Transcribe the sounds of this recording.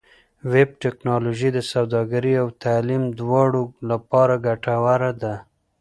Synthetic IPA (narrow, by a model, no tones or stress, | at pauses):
web̚ʈeknɑloʒid̪əsawd̪ɑɡaɾiawt̪alimd̪wɑɽolapɑɾaɡaʈawaɾad̪a